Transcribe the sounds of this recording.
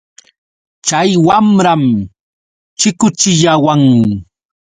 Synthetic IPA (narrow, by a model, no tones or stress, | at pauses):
t͡ʃajwamɾam | t͡ʃɪkʊt͡ʃɪʎawaŋmɪ